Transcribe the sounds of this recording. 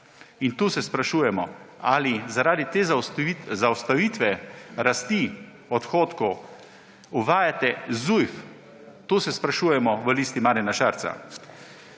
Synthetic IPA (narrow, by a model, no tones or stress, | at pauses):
int̪uːsɛspɾaʃuːjɛmɔalizaɾaːd̪it̪eːzaizawst̪aʋiːt̪ʋɛɾast̪i | ɔt̪xoːt̪kɔ | uʋaːjat̪ɛzujf | t̪uːsɛspɾaʃuːjɛmɔʋəlist̪imaːɾjɛnaʃaɾt̪sa̰